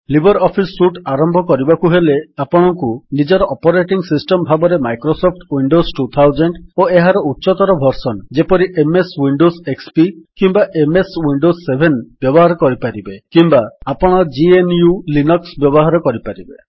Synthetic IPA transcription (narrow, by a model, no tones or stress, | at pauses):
libʱɔɾɔpʰisːuʈaɾɔmbʱɔkɔɾibakuɦeleapɔɽ̃ɔŋkunid͡ʒɔɾɔʔɔpɔɾeʈiŋsisʈɔmbʱabɔɾemajkɾosɔp̚ʰʈwiɳɖosʈut̪ʰawd͡ʒeɳʈoeɦaɾɔutːʃɔt̪ɔɾɔbʱɔɾsɔnd͡ʒepɔɾiʔemeswiɳɖosekspikimbaʔemeswiɳɖosːebʱenb̥jɔbɔɦaɾɔkɔɾipaɾibekimbaapɔɽ̃ɔd͡ʒienjulinɔksbjɔbɔɦaɾɔkɔɾipaɾibe